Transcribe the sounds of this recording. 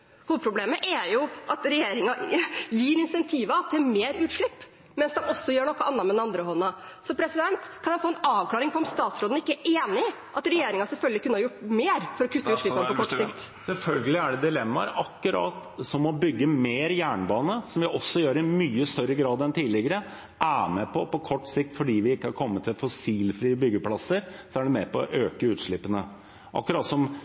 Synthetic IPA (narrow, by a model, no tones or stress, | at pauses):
huːpʰɾʊbleːməʔæjʊʔɑt̪ɾɛjeːɾɪŋɑjiːɾɪnsɛnt̪ʰiːʋɑt̪ʰɪlmeːɾʉːt̪ʂɭɪpː | mɛnsd̪ɛmɔsːɔjøːɳɔkːɑʔɑnːɑɾmɛd̪nɑnd̪ɾəhɔnːə | sɔpʰɾɛsɪd̪ɛnt̪kʰɑnjæɪfoːɛnɑːʋkʰlɑːɾɪŋpʰɔɾɔmst̪ɑːt̪sɾoːd̪n̩ɪkːəæʔeːnɪ | ʔɑt̪ɾɛjeːɾɪŋɑsɛlfœlɡ̪əlɪkʉnːəhɑɾjʊʈːmeːɾfɔɾɔkʰʉt̪ːəʉːʂɭɪpːnəpɔkɔʈːsɪkt̪ | sɛlfœlɡəlɪæɖɛd̪ɪlɛmːɑ̰ɾɑkːʉɾɑ̰ːt̪sɔmɔbʏɡːəmeːɾjæːɳbɑːnəsɔmʋɪʔɔsːɔjøːɾɪmyːəst̪œɾəɡɾɑːd̪ɛnt̪ʰiːlɪɡəɾə | ʔæːmɛpʰɔpɔkʰɔʈːsɪk̚t̪fɔɖiːʋɪɪkːəhɑɾkʰɔmːət̪ʰːɪlfɔsiːlfɾiːəbʏɡːəpʰlɑsəɾsɔæɖɛmɛpɔʔøːkəʉːt̪ʂɭɪpːənə | ʔɑ̰kːʉɾɑːt̪sɔm